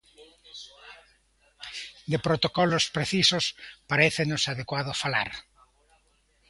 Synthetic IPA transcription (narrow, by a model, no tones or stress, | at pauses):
d̪epɾot̪okɔlospɾeθisospaɾeθenosaðekwaðofala̰ɾ